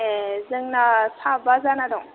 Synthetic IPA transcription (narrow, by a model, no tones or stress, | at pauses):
ezɯŋnasabazanadɔŋ